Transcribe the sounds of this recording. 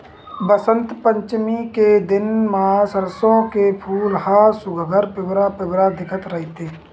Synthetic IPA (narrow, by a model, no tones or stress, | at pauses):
bəsə̃nt̪pə̃ɲt͡ʃmiked̪ɪnmãsəɾsõkepʰuːlɦasʊɡʱəɡʱəɾpɪbɾapɪbɾad̪ɪkʰət̪ɾəɦit̪eː